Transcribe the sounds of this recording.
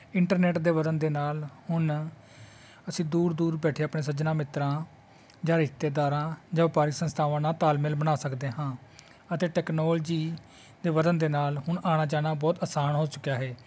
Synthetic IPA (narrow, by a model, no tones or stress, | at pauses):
ɪɳʈəɾnɛːʈd̪eːʋəd̪ənd̪eːnaːlhʊɳ | əsĩːd̪uːɾd̪uːɾbɛːʈʰeːaəpɳeːsəd͡ʒnãːmɪt̪ɾãː | d͡ʒãːɾɪʃt̪eːd̪aːɾãːd͡ʒãːpaːɾɪksə̃nst̪ʰaːʋãːnãːt̪aːlmɪlbənaːsəkd̪eːɦãː | ət̪eːʈɛːknoːld͡ʒiː | d̪eːʋəd̪ənd̪eːnaːlhʊɳaːɽ̃aːt͡ʃaːnaːbɔːt̪əsaːnɦoːt͡ʃʊkjaːɦɛː